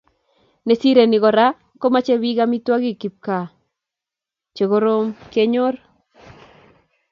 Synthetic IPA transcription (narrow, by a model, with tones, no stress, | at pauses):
ne˨si˦ɾe˨nɪ˨ɡɔ˨ɾa˦ | ko˦ma˦t͡ʃe˦bi˦ɡa˦mi˦twa˦ɡi˦˨ki˨p̚ka˨ | t͡ʃe˨ɡo˦ɾo˦mke˦ɲo˦r